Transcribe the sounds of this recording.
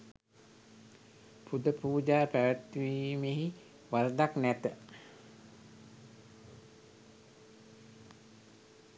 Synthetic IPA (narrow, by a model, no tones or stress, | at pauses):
pud̪əpuːd͡ʒaːpæʋət̪ʋiːmeɦi | ʋaɾd̪aknæt̪ə